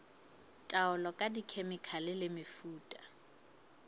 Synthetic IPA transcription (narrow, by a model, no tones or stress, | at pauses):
tʼaʊlɔkʼadikʰemɪkʰalɪlɪmɪfuːtʼḁ